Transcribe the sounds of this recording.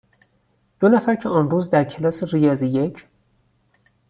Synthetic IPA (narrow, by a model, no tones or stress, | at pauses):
d̪̥onæfæɾcʰeɒːnruːzd̪æɾcʰe̞lɒːserijɒːzije̞cʰ